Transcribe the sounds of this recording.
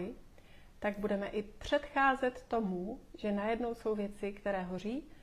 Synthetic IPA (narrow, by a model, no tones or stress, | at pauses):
ɪ | t̪aɡ̚budɛmɛʔɪpr̝̥ɛt̪xaːzɛt̪ːo̞muʒɛnajɛdno̞wso̞wvjɛt͡sɪkt̪ɛɾɛːɦor̝iː